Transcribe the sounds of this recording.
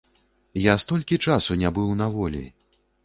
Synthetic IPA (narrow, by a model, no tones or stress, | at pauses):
jast̪ɔlʲkʲit͡ʂasunʲabɨwnavɔlʲḭ